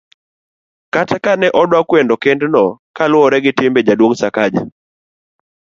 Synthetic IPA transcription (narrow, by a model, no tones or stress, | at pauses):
katakanɛʔɔdwakwendɔkendnɔkalwɔɾɛɡɪtɪmbed͡ʒadwoŋsakad͡ʒa̰